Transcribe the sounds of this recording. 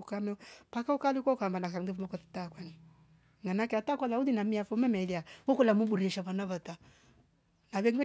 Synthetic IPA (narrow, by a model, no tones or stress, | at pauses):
ukamɛpakaukalikʷɔkambanas̬aŋdifumɔkɔti̥takwani | ŋanakɛatakwalaudinamiafɔmɛmɛliawukulamuɓuɾiɛʃaβanaβata | naβɛŋɡɛ